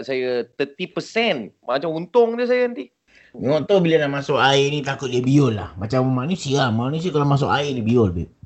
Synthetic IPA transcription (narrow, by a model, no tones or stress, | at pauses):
ʔsajət̪ət̪ipəsɛnmat͡ʃamunt̪ʊŋd͡ʒəsajaənt̪i | ŋɔʔt̪obilanaʔmasʊkaɪnit̪akʊt̪̚diabiʊlːa̰hmat͡ʃammanusiamanus̬iakalomas̬ʊka̰ɪrnibiolbɛ̰ʔ̚